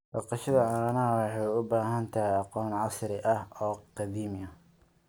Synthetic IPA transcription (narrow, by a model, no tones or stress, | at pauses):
bɑqɑʃɐðɐɐnɐwɑħɑjʊbaːɦɐnt̪ʰɐɦɛɑqɔːnʕɑsɾɪʔɐhɔːqɑðiːmɐ